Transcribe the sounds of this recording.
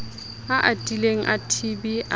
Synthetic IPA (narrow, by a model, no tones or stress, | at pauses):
aʔatʼileŋ̩ʔatʰibiʔa